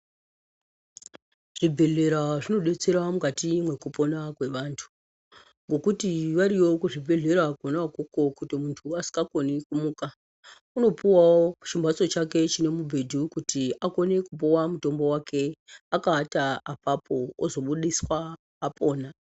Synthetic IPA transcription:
ʐ̥ibʱe̞ɮe̞ɾaʐino̞ɗe̞t͡se̞ɾamukatimwe̞kupo̞nakwe̞ʋaːntʰu̥ | ŋɡo̞kutiʋaɾiwo̞kuʐibʱe̞ɮe̞ɾakonakoko̞kutimuntʰuasi̥kako̞nikumuːka | uno̞puwawou̥t͡ʃimbʱaso̞t͡ʃake̞t͡ʃine̞mubʱe̞dʱukutiako̞ne̞kup̬uwamuto̞mbo̞wakʰe̞akaːtaapapʰoozo̞ɓuɗiswaː | po̞ːna

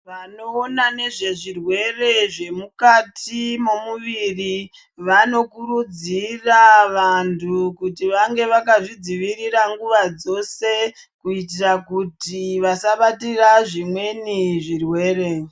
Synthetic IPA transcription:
ʋano̞ːnane̞ʐe̞ʐirwe̞re̞ʐe̞mukatʰimo̞muʋiri | ʋano̞kuɾud͡ziraʋantʰukutiʋaŋɡe̞ʋak̬aʐid͡ziʋiriraŋɡuʋad͡zo̞se̞ | kuit̬irakutiʋasaɓatiraʐimwe̞niʐirwe̞ːre̞

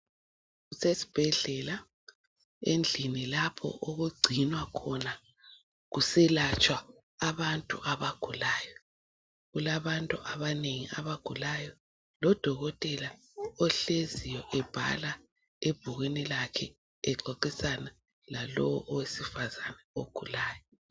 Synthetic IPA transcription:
ɣusesi̥b̥ʱɛɮɛla | end͡ɮʱinilapʰɔ̰ʔoɣuɡ͡ǀʱinwakʰɔna | ɣusɛlat͡ʃʼwaː | βantʼṵʔaβaɡ̥ʱulaːjɔ | ɣulaβantʼuʔaβaneŋiʔaβaɡ̥ʱulajɔ | lɔd̥ʱɔɣɔtʼɛla | ɔɬezijɔʔɛb̥ʱa̰la | eb̥ʱuɣinilakʰɛ | ɛǃoǃisana | lalɔwɔʔɔwesifazanɛoɡ̥ʱulaːjɔ

